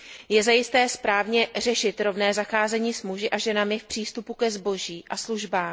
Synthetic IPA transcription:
jɛzajɪst̪ɛːspɾaːvɲɛr̝ɛʃɪt̪ɾo̞vnɛːzaxaːzɛɲiːsmuʒɪʔaʒɛnamɪfpr̝̥iːst̪upukɛzbo̞ʒiːʔasluʒbaːm

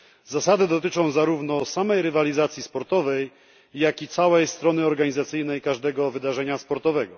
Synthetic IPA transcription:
zasad̪ɘd̪ɔt̪ɘt͡ʂɔ̃w̃zaɾuvnɔsamɛjɾɘvalʲizat̪sʲjispɔɾt̪ɔvɛjː | akʲit̪sawɛjst̪ɾɔnɘɔɾɡaɲizat̪sɘjnɛjkaʐd̪ɛɡɔvɘd̪aʐɛɲaspɔɾt̪ɔvɛɡɔ

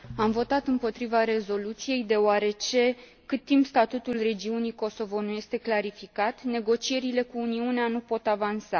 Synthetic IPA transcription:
amvo̞t̪at̪ɨmpo̞t̪ɾivaɾe̞zo̞lut̪sije̞jd̪e̞oaɾe̞t͡ʃe̞ | kɨt̪̚ːimpst̪at̪ut̪ulre̞d͡ʒiunijko̞so̞vo̞nuje̞st̪e̞klaɾifikat̪ne̞ɡo̞t͡ʃie̞ɾile̞kuːniuneanupo̞t̪avansa

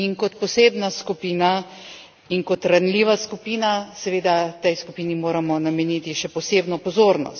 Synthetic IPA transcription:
inkɔt̪pɔseːbnaskupiːna | iŋkɔt̪ɾanliːʋaskupiːnasɛʋeːd̪at̪ɛjskupiːnimoːɾamɔnamɛniːt̪iʃɛpɔseːbnɔpɔzoːɾnɔ̰st̪

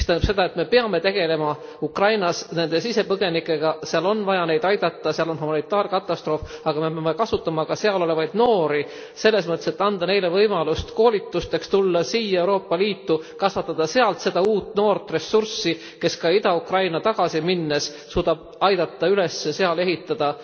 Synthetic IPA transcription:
mist̪æjnɑ̥b̥se̞d̪ɑe̞t̪me̞peɑme̞t̪e̞ɡe̞le̞mɑ | ukrɑjnɑsne̞nd̪e̞sise̞pɤɡ̥e̞nikːˑeɡ̥ɑseɑlo̞nvɑjɑne̞jd̪̥ɑjd̪̥ɑt̪ːˑɑseɑlo̞nhumɑnit̪ːˑɑːɾrkɑt̪ːˑɑst̪ɾo̞ːfɑɡ̥ɑme̞peɑme̞kɑsut̪ːˑɑmɑkɑse̞ɑlo̞le̞vɑjd̪̥no̞ːɾi | se̞lːe̞smɤt̪ːˑeset̪ːɑnd̪̥ɑne̞jle̞vɤjmɑlust̪ko̞ːlʲit̪ːˑust̪e̞kst̪ulːɑsiːjɑewɾo̞ːpˑːɑliːt̪ːukɑsvɑt̪ːˑɑd̪̥ɑse̞ɑlt̪se̞d̪̥ɑuːt̪ːˑno̞ːrt̪ːre̞sːursːi | ke̞skɑid̪ɑukrɑjnɑt̪ɑɡ̥ɑsiminːes | suːd̪ɑb̥ɑjd̪̥ɑt̪ˑːɑyle̞sːese̞ɑle̞ɦit̪ːˑɑd̪̥ɑ

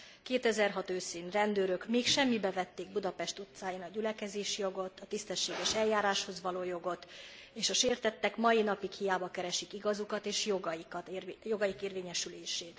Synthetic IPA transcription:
keːt̪ɛzɛrɦɒt̪øːsiːnrɛnd̪øːɾøkmeːkʃɛmːibɛvɛt̪ːeːɡ̚bud̪ɒpɛʃt̪ut̪saːjinɒɟylɛkɛzeːʃjo̞ɡo̞t̪ʰːɒt̪ist̪ɛʃːeːɡɛʃɛljaːɾaːʃho̞zʋɒloːjo̞ɡo̞t̪ | eːʃɒʃeːrt̪ɛt̪ːɛkmɒjinɒpikhijaːbɒkɛɾɛʃikiɡɒzukɒt̪eːʃjoɡɒjik̪joɡɒjikeːrʋeːɲɛʃyleːʃeːt̪

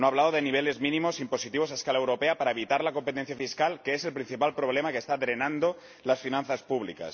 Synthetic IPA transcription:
noaβlaðoðeniβ̞ele̞zmĩnĩmo̞simpo̞sit̪iβos̬aeskalaewɾo̞peapaɾaeβit̪aɾlako̞mpet̪enθjafiskalkeeselpɾin̟θipalpɾo̞β̞lemakest̪aðɾe̞nãnd̪o | lasfinãnθaspuβlḭka̰s

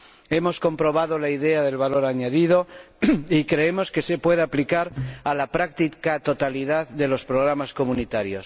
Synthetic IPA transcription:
e̞mo̞sko̞mpɾo̞β̞aðolaiðeaðe̞lβalo̞ɾaɲaðið̞o̞ | ikɾe̞emo̞ske̞se̞pwe̞ðeaplikaɾalapɾakt̪ikat̪o̞t̪aliðaððe̞lo̞spɾoɣ̞ɾamasko̞munit̪aɾjos

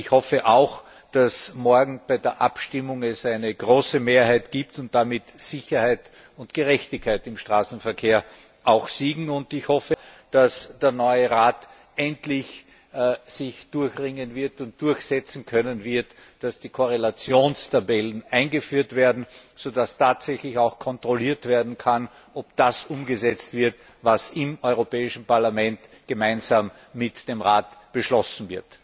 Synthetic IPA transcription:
ɪçhɔfəʔaʊx | d̥asmɔɐɡŋ̩b̥æɪdeːɐʔa̰pʃtɪmʊŋɛsæɪnəɡʁoːsəmeːɐhæɪtɡ̥iːptʊnt̚d̥amɪtsɪçɐhæɪt | ʊntɡ̥əʁɛçtɪçkʰaɪtɪmʃtʁ̥aːsn̩fɛɐkʰeːɐ | ʔaʊxsiːɡŋ̩ʊndɪçhɔfəd̥asd̥eːɐnɔʏəʁaːt | ʔɛntlɪç | sɪçd̥ʊɐçʁɪŋənvɪɐtʊnt̚d̥ʊɐçsɛt͡sn̩kʰœnənvɪɐt | d̥asd̥iːkʰoʁelat͡sjoːnstʰabɛlənaɪnɡəfyːɐtv̥eːɐdn̩z̥odastʰaːtsɛçlɪçaʊxkʰɔntʁ̥oliːɐtv̥eːɐdn̩kʰan | ɔpd̥asʔʊmɡəzɛt͡stv̥ɪɐt | vasɪmɔʏʁopɛːɪʃn̩paɐlamɛntɡ̥əmaɪnzaːmː | ɪtd̥eːmʁaːtb̥əʃlɔsn̩vɪɐt

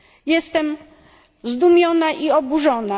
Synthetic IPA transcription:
jɛst̪ɛm | zd̪umʲjɔnaʔiɔbuʐɔna

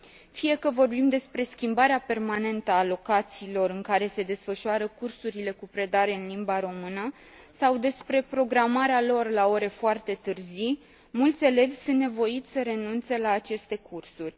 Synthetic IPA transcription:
fije̞kəvo̞rbimd̪e̞spɾe̞skʲimbaɾeape̞rmane̞nt̪əaːlo̞kat̪siːlo̞ɾɨŋkaɾe̞se̞d̪e̞sfəʃuaɾəkursuɾile̞kupɾe̞d̪aɾe̞ɨnlimbaɾo̞mɨnə | sawd̪e̞spɾe̞pɾo̞ɡɾamaɾealo̞rlao̞ɾe̞foart̪e̞t̪ɨrzi | mult̪sʲe̞le̞vʲsunnːe̞vo̞it̪sʲsəɾe̞nunt̪se̞laːt͡ʃe̞st̪e̞kursurʲ

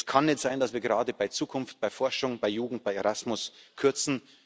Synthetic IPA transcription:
skʰanːɛtz̥aɪndasv̥iːɐɡeʁaːdəbaɪt͡suːkʰʊnft̚b̥aɪfɔɐʃʊŋb̥aɪjuːɡŋ̩t̚b̥aɪeʁasmʊskʰʏɐt͡sn̩

